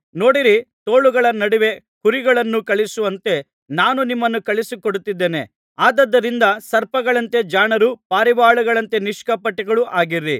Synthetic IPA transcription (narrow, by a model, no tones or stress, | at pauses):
no̞ːɽiɾit̪oːɭuɡɐɭɐnɐɽiʋe̞ | kuɾiɡɐɭɐnːukɐɭisuʋɐnt̪e̞ | naːnunimːɐnːukɐɭisukoɽut̪ːid̪ːeːne̞̰ | aːd̪ɐd̪ːɐɾind̪ɐsɐɾpɐɡɐɭɐnt̪e̞d͡ʒaːɳɐɾupaːɾibaːɭuɡɐɭɐnt̪e̞niʂkɐpɐʈːiɡɐɭuʔaːɡiɾi